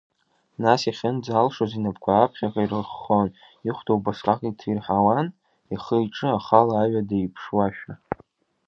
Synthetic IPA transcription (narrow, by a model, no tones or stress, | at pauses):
nasaχʲɪnd͡zalʂozinapʰkʷʰaːpʰχʲakʼairəχːon | iχʷtʰowbaʂkʼakʼitʰirħawan | iχəjʈ͡ʂʼɨaχalaːɥadeipʰʂwaʃᶣa